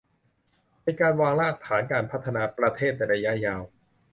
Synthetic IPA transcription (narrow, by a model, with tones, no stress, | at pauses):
pa˧jkaː˧nwaː˧ŋlaː˥˩k̚t̪ʰaː˩˦nkaː˧npʰa˦˥t̪ʰːa˧naː˧pɾa˧t̪ʰeː˥˩t̪̚na˧jɾa˧ja˦˥jaː˧w